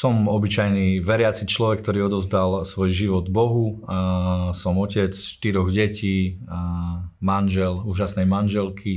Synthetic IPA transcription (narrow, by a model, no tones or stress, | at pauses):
sɔmɔbit͡ʃajniʋɛɾɪat͡sit͡ʃlɔʋɛk̚ːt̪ɔɾiːɔd̪ɔvzd̪alsʋɔjʒiʋɔd̪bɔɦu | sɔmɔcɛt͡sʃt̪iɾɔɣɟɛciː | manʒɛluːʒasnɛjmanʒɛlkʰi